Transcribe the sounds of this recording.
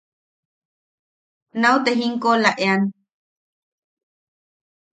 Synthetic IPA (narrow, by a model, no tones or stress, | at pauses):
nawt̪eɦiŋkolaʔean